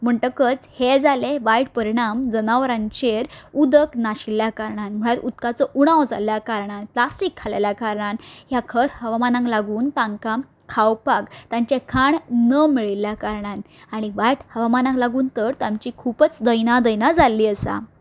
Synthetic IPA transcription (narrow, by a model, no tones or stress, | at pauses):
m̤əɳʈəkət͡shed͡zaleʋajʈ̚pəɾiɽ̃amd͡zənaʋɾãɲt͡ɕeɾud̪əknaɕiljakaɾɳanm̤əɭat̪ut̪kat͡sɔʔuɽ̃awd͡za̰ljakaɾɳanplasʈikʰːalaljakaɾɳanɦjakʰəɾhəʋamanãŋɡlaɡuːnt̪ãŋka | kʰawpaɡt̪ãɲt͡ɕekʰaɳnəmiɭilːjakaɾɳan | aɽ̃iʋajʈhəʋamanãŋklaɡuːnt̪əɾt̪ãmt͡ɕikʰupət͡sd̪əjnad̪əjnad͡zalːiːəsa̰